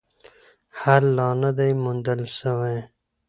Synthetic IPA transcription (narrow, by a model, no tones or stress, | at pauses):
haɾlɑnad̪ajmund̪əlʃəwaj